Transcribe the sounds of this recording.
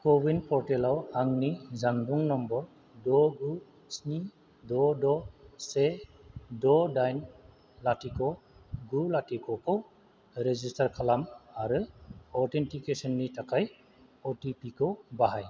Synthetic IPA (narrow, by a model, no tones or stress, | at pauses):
kɔbinpʰɔɾtelawaŋnizaŋduŋnɔmbɔɾ | dɔɡu | sni | dɔdɔse | dɔdajn | latikɔɡulatikʰɔkʰɔw | ɾezistaɾkʰalamaɾɯɔɾtʰentikesɔnːitʰakʰaj | ɔtipikʰɔbaɦaj